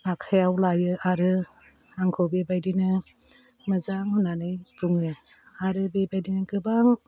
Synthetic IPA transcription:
akʰajawlajɯʔaɾɯ | aŋkʰɔbebajdinɯ | mazaŋhɯnanɯjbuŋɯ | aɾɯbebajdinɯɡɯbaŋ

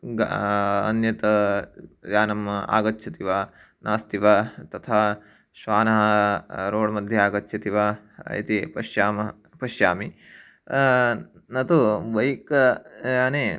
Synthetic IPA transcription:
ɡɐnjɐt̪ɐ | jaːnɐma̰ːɡɐtːʃʰɐt̪iʋa | nʔaːst̪iʋat̪ɐt̪ʰaː | ʃʋaːnɐɦɐɾoːɽmɐd̪ʱjɐaːɡɐtːʃʰɐt̪iʋa | ḭt̪ipɐʃjaːmɐ | pɐʃjaːmi | nɐt̪uʋɐjikɐɐneː

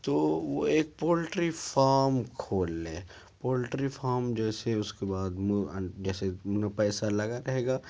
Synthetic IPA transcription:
t̪oːʋoeːk̚poːlʈɾifaːɾmkʰoːlːẽː | poːlʈɾifʰaːɾmd͡ʒɛːseʊskebaːd̪mʊd͡ʒɛːsemʊnepɛːsalɐɡaɾɐɦeːɡaː

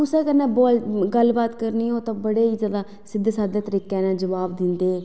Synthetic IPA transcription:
ʊsẽːkəɾnãːboːlɡəlbaːt̪kəɾniːoːt̪ãːbəɽeːiːzjaːd̪aː | sɪd̪saːd̪eːt̪əɾiːkẽːnãːd͡ʒəʋaːbd̪ɪ̃nd̪eː

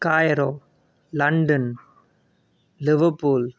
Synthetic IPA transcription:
kaːjɾoː | lɐɳɖɐn | lɪʋɐɾpuːl

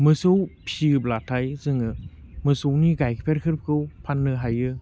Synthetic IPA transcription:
mɯsɯwpʰiɯblatʰajzɯŋɯmɯsowniɡajkʰpʰeɾkʰɯɾp̚kʰɯwpʰanːɯɦajɯ

